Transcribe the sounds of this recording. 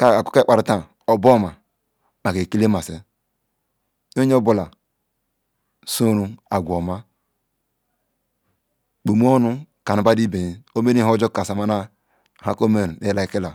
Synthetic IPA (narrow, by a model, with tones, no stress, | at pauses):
ka˦a˨ko˦e˦k͡pa˨ɾu˨ta˨ | o˨bo˦˨ma˨ | ma˨ke˨ki˦le˦ma˨se˨ | jo˦ɲ˦o˦bu˦la˨ | so˦nu˦a˨ɡʷo˨ma˦ | k͡pu˨m˦o˦nu˦ka˨nu˨ba˦di˦be˨i˨o˦me˦ni˦o˦d͡ʒo˦ka˨sa˨ma˦na˦˨ | ha˦ko˦me˦˨ɾe˦la˦i˦ki˦la˨